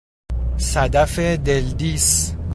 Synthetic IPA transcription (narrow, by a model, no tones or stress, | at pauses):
sæd̪æfed̪eld̪is